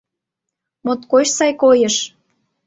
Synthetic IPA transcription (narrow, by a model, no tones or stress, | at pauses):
mot̪kot͡ɕsɑjkojəʃ